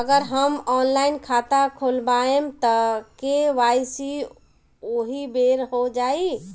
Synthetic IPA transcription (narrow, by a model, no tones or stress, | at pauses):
əɡəɾɦəmɔːnlaɪnkʰat̪akʰolbaemt̪əkeʋajsi | oɦibeɾɦod͡ʒai